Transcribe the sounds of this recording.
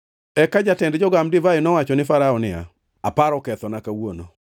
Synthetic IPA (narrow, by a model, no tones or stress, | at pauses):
ɛkad͡ʒatɛndd͡ʒɔɡamdɪvaɪnɔwat͡ʃɔnɪfaɾaɔnɪa̰ | apaɾɔkɛt̪ɔnakawono̰